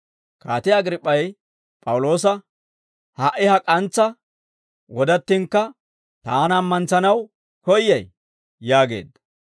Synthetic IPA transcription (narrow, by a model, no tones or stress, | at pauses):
kaːt̪ɪjɐɡɾɪpʼːɐj | pʼɐwʊlo̞ːs̬ɐ | hɐʔːɪhɐkʼɐnt͡sːɐ | wɔd̪ɐt̪ːɪŋkːɐ | t̪aːnɐmːɐnt͡sɐnɐw | kɔjːɐj | jaːɡe̞̰ːd̪ɐ